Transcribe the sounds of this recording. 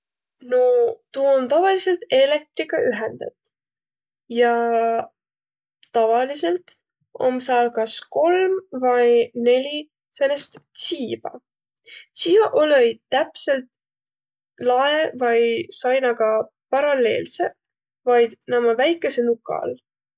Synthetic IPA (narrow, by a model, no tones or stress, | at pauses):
not̪uːont̪ɑvɑlise̞lt̪e̞le̞k̚t̪ɾikɑʔyɦend̪ɑ̰t̪ːˑ | jɑ | t̪ɑvɑlise̞lt̪ | o̞̰msɑːlkɑsko̞lmvɑjne̞lʲi | senest̪siːv̥ɑ̰ | t̪siːv̥ɑʔoløjt̪æpse̞lt̪̚ | lɑevɑjsɑjnɑɡ̥ɑ | pɑɾɑle̞̰ːlse̞ | vɑjd̪̥nɑmɑvæjkːˑe̞senukːˑɑ̰l